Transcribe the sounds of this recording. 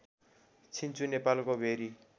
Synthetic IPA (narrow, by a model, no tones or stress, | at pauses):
t͡sʰint͡sʰunepalkobʱeɾi